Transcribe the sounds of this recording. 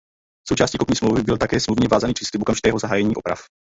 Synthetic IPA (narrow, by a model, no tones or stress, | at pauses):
so̞wt͡ʃaːscikopɲiːsmlowvɪbɪlt̪akɛːsmluvɲɛvaːzaniːpr̥iːslɪp̚ʔokamʒɪt̪ɛːɦozaɦaːjɛɲiːʔo̞pɾa̰f